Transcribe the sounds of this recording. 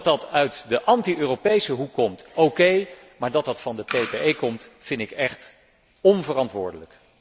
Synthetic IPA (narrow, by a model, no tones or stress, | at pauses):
tɑtœɥtdəʔɑntiʔøːrowpejsəɦukːɔmtowkej | maːɹdɑt̚dɑtfɑndəpejpeejkɔmtfɪntɪkɛχt | ɔnvərɑntʋʊ̰ːɹdələk